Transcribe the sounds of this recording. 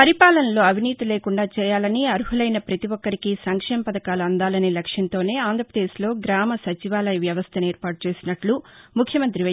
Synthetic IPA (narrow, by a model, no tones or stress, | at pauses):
pɐɾipaːlɐnɐlo̞ːɐʋiniːt̪ile̞ːkuɳɖaːt͡ʃɛːjaːlɐniɐɾuɦulɐjnɐpɾɐt̪iʋɔkːɐɾikisɐŋkʂɛːmɐpɐd̪ɐkaːluɐnd̪aːlɐnilɐkʂjɐnt̪o̞ːne̞ːaːnd̪ʱɾɐpɾɐd̪e̞ːʃlo̞ːɡɾaːmɐsɐt͡ʃiʋaːlɐjiʋjɐʋɐst̪ʰɐneːɾpaːʈ̚ut͡ʃe̞ːsinɐʈlumukʰjɐmɐnt̪ɾiɐ